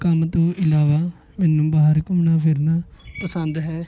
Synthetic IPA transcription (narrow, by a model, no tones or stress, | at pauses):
kəmt̪õːʔɪlaːʋaː | mɛːnũːbaːɦəɾkʊmɳaːpʰɪɾnaːpəsənd̪ɦɛː